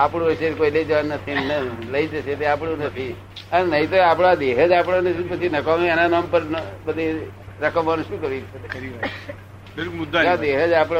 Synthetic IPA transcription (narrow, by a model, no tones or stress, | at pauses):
apɽ̃ũesekoiləid͡ʒəʋannːət̪ʰinələid͡ʒəʃet̪eapɽũnət̪ʰi | ənenəɦĩt̪oapɽ̃ad̪eɦəd͡ʒapɽ̃anət͡ʃĩpət͡ʃʰinəkaeenanampəɾbəd̪ʱiɾəkəmʋanũʃũːkəɾʋit͡ʃʰekəɾiʋa | belkmud̪ːaad̪eɦəd͡ʒapɽ